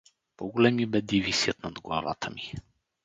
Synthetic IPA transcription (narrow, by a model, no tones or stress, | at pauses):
pɔɡolɛmibɛd̪ivisiət̪nad̪ɡlˠa̰va̰t̪ʰəmi